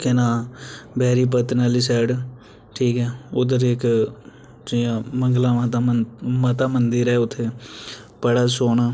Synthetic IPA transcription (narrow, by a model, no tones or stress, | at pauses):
kɪnãːbɛːɾiːp̬ət̪naliːsɛːɖ | ʈʰiːkɦɛːʊd̪əɾɪk | d͡ʒiːjãːməŋɡlãːmt̪ːmət̪aːmənd̪iɾɛːʊt̪ʰːeːpəɽaːsoːɳaː